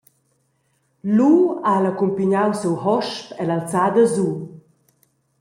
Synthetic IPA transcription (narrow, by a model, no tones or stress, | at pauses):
lualakumpiɲawsuwhɔʃpɛlalt͡sad̪əzu